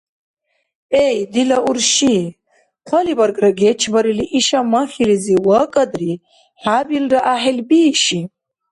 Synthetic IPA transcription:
ɛjd̪ilɐʔuɾʃi | qʷʰɐlibɐɾɡʼraɡɛt͡ʃʰbɐɾiliʔiʃamɐχiliziwɐkʼɐd̪ri | ħabilraʔaħɛlbiːʃi

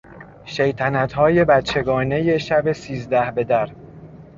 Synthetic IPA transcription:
ʃejt̪ʰænæt̪hɒːje̞bæt̪t͡ʃʰːe̞ɡɒːne̞je̞ʃæbe̞siːzd̪æhbe̞d̪æɾ

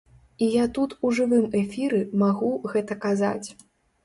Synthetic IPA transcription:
ijat̪ut̪uʐɨvɨmɛfʲiɾɨmaɣuɣɛt̪ɐkaza̰t͡sʲ

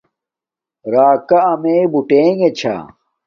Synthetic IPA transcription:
ɾaːkɐɐmeːbuʈeːŋɡet͡ɕʰa̰

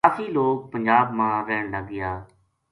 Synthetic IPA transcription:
aːfiːloːk̚pəɲd͡ʒaːbmãːɾɛːɳlaɡɪjaː

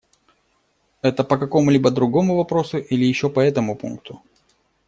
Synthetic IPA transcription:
ɛt̪əpəkɐko̞mʊlʲibəd̪ɾʊɡo̞mʊvɐpɾo̞sʊʔilʲɪjɪɕːopɐɛt̪əmʊpṵnk̚t̪ʊ

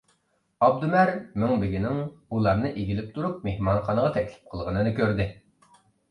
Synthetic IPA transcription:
ɑb̚d̪umæɾmyŋbɪɡʲinɪŋulˠɑɾnɨʔeɡʲilɪp̚t̪ʰuɾup̚mehmɑnχɑnəʁɑt̪ʰɛkʲlɪ̥p̚qʰəlˠʁənɨnɨkʲʰøɾd̪ɪ

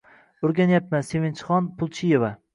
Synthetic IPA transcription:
ʊɾɡʲanjapmansevɪnt͡ʃʰχɒnpʰʊlˠt͡ʃʰije̞va

